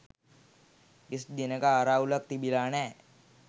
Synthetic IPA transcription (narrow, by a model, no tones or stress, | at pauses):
ɪsd̪inekaːɾaulək̚t̪ibilaːnɛ